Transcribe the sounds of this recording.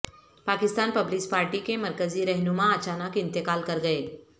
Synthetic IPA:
paːkɪst̪aːnpɐblɪspaːɾʈikemɐɾkəziɾɛɦnumãɐt͡ʃaːnəkɪ̃nt̪ɪkaːlkɐɾɡɐeː

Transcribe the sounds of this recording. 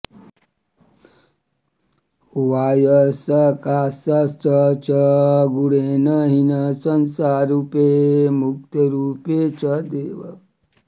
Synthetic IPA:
ʋaːjəsɐkaːsɐst͡ʃɐt͡ʃɐɡuɽeːnɐɦinɐsɐnsaːɾupemuk̚t̪ɐɾuːpet͡ʃɐd̪eːʋɐ

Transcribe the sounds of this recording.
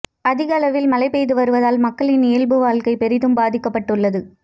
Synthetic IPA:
ɐðɪɣɐlɐʋɪlmɐlɐɪpɛjðɯʋɐɾɯʋɐðaːlmɐkːɐɭɪnɪjɐlbɯʋaːɭkɐɪpɛɾɪðɯmbaːðɪkːɐpːɐʈːɯɭːɐðɯ

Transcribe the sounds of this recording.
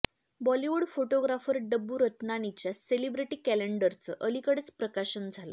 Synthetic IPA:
bɔliʋuɽfoʈoɡɾafəɾɖəbːuɾət̪naɽ̃it͡ɕjaselibɾiʈiːkæleɳɖəɾt͡səʔəlikəɽet͡spɾəkaɕənd͡zʱalə̰

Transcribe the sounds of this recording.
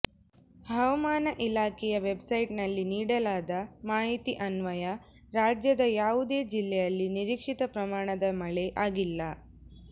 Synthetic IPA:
hɐʋɐmaːnɐʔilaːkʰɛjɐʋebsɐjʈnɐlːiniːɽɐlaːd̪ɐmaːɦit̪iʔɐnʋɐjɐ | ɾaːd͡ʒjɐd̪ɐjaːʋud̪eːd͡ʒilːɛjɐlːiniɾiːkʂit̪ɐpɾɐmaːɳɐd̪ɐmɐɭeʔaːɡilːɐ

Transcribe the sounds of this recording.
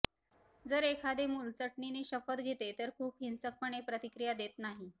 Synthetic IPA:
d͡zəɾekʰad̪emult͡səʈɳineɕəfət̪ɡʱet̪et̪əɾkʰuːpɦinsək̚pəɳepɾət̪ikɾijad̪et̪naɦi

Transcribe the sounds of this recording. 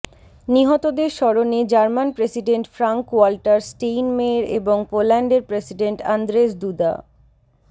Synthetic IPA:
niɦɔt̪od̪eɾʃɔɾoned͡ʑaɾmanpɾesiɖeɳʈfɾaŋkwalʈaɾsʈejnmeɾeboŋpolɛɳɖeɾpɾesiɖeɳʈand̪ɾeʃd̪ud̪a̰

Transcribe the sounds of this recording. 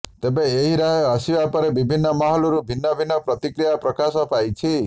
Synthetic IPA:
t̪ebeːɦiɾaɦeʌsiwapɔɾebibʱinːɔmaɦɔlɔɾubʱinːɔbʱinːɔpɾɔt̪ikɾijapɾɔkasɔpajt͡ʃʰi

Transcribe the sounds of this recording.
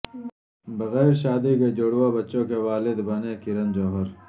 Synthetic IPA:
bɐɣɛːɾʃaːd̪iked͡ʒoɽwobɐtːʃõkeʋaːlɪd̪bɐnekɪɾɐnd͡ʒoːɦəɾ

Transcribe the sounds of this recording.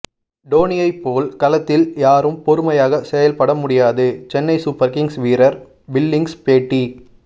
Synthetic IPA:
ɖoːnɪjɐɪpːoːlkɐlɐt̪ːɪljaːɾɯmpɔɾɯmɐjaːɣɐsɛjɐlpɐɽɐmʊɽɪjaːðɯt͡ʃɛnːɐɪsuːpːɐɾkɪŋsʋiːɾɐɾ | bɪlːɪŋɡspeːʈːi

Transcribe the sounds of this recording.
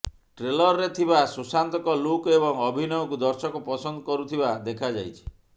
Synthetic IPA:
ʈɾelɔɾɔɾet̪ʰibasusant̪ɔkɔlukebɔŋɔbʱinɔɔkud̪ɔɾsɔkɔpɔsɔnd̪ɔkɔɾut̪ʰibad̪ekʰad͡ʒajt͡ʃʰi̥

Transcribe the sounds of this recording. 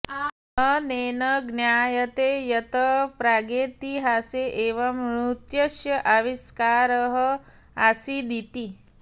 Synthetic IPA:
əneːnəɡnjaːjɐt̪ejɐt̪əpɾaɡet̪iɦaseʔeʋɐmɾut̪jɐʃjɐʔaʋiskaːɾəɦə | asid̪it̪i

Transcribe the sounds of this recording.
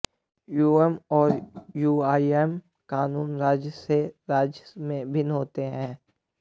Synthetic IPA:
juːɛmɔːɾjuːaːiɛm | kaːnuːnɾaːd͡ʒseɾaːd͡ʒmẽbʱɪnɦoːt̪eɦɛ̃ː

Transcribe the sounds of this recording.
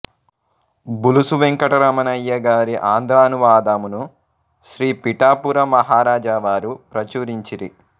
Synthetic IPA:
bulusuʋeŋkɐʈɐɾɐmɐnɐjːɐɡaːɾiʔaːnd̪ɾaːnuʋaːd̪aːmunu | ʃɾiːpiʈaːpuɾɐmɐɦaːɾaːd͡ʒaʋaːɾupɾɐt͡ʃuːɾiɲt͡ʃiɾi

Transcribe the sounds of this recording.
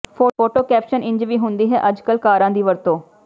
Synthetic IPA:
pʰoːoːʈoːkɛːpʃənɪ̃ɲd͡ʒʋiːɦʊnd̪iːɦɛ̰ːʔəd͡ʒkəlkaːɾãːd̪iːʋəɾt̪õː

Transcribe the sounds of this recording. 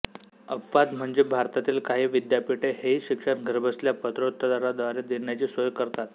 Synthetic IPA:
əpʋad̪m̤əɳd͡zebʱaɾt̪at̪iːlkaɦiːʋid̪japiʈeheiɕikʂəɾɡʱəɾbʱəsljapət̪ɾot̪ːəd̪aɾad̪əʋaɾed̪eɳjat͡ɕiːsʋəjɡkəɾt̪at̪

